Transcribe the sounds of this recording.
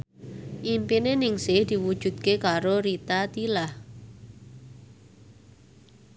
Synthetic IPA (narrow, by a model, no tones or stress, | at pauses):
ʔimpinenɪŋsɪhd̪̥i̤wud̥ʒ̥ṳd̪̚kekaɾoɾit̪at̪ilah